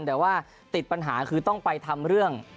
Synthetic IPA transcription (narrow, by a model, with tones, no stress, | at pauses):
nd̪ɛː˨˩˦waː˥˩ | t̪i˨˩t̪̚pa˧nɦaː˩˦kʰɯː˧t̪ɔ˥˩ŋpa˧jt̪ʰa˧mɾɯ˥˩əŋ